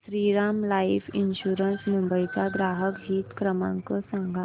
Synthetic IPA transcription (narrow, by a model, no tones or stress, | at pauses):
sɾiːɾaːmlaːɪpʰɪnʃuːɾənsnʊ̃mbəjkaɡɾaːɦəkɦiːt̪kɾəmã̰ŋkosə̃ŋɡʱa